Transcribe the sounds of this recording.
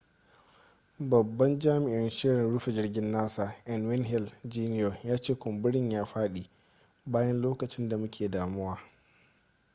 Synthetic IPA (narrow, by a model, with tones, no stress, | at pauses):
bɐ˨bːɐ˦nd͡ʒaː˦mɪ˨ʔɪ˦nʃɪ˦ɾɪ˨nɽʊ˦ɸe˨d͡ʒɪ˦rɡʲɪ˦nːaː˦saː˨ʔɛ˨nwɪ˦nɦɪ˦ld͡ʒiː˦n˦joː˨jaː˦t͡ʃeː˦kʷʊ˨mbʊ˦ɽɪ˦ɲjaː˦ɸaː˦ɗiː˨ | baː˦jɐ˦nloː˦kɐ˨t͡ʃɪ˦nda˨mʊ˦kʲeː˨daː˨mʊ˦waː˨